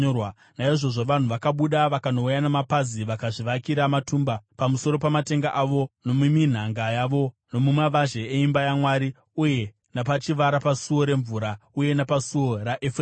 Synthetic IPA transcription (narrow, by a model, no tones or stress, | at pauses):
w | naiʐo̞ʐo̞ʋan̤uʋakaɓuɗaʋakano̞ujanamapaziʋakaʐiʋakiɾamatuːmbapamuso̞ɾo̞pamate̞ŋɡaʔaʋo̞no̞mumin̤aŋɡajaʋo̞ | no̞mumaʋaʒe̞eimbajamwaːɾi | uje̞ | napat͡ʃiʋaɾapasuo̞ɾe̞ɱvuːɾauje̞napasuo̞raʔefr